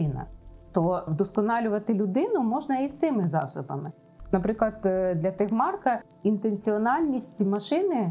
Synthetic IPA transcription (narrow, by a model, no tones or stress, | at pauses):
inɐ̰t̪ɔd̪ɔskɔnɑlʲʊʋɐt̪ɪlʲʊd̪ɪnʊmɔʒnɐit̪sɪmɪzɑ̰sʊbɐ̰mɪ | nɐpɾɪklˠɐd̪d̪lʲɐt̪ɪxmɑrkɐ | int̪ent͡sʲiɔnɑlʲnʲisʲtʲmɐʃɪnɪ